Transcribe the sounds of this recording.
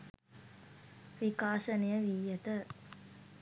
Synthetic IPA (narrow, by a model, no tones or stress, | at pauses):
ʋikaːʃɐnijɐʋiːjɐt̪ə